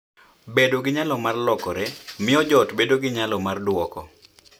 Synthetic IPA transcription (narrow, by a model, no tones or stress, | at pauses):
bedoɡɪɲalɔmarlɔkɔɾɛmɪɔd͡ʒɔtbedoɡɪɲalɔmardwɔkɔ̰